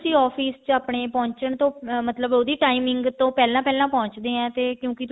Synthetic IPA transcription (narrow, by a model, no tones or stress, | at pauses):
sĩːɔːpʰiːst͡ʃaːpɳeːpɔ̃ːɲt͡ʃəɳt̪õːmət̪ləboːd̪iːʈaːimɪ̃ŋɡt̪õːpɛːlãːpɛːlãːpɔ̃ːɲt͡ʃd̪eːɛ̃ːt̪eːkjõːkɪt̪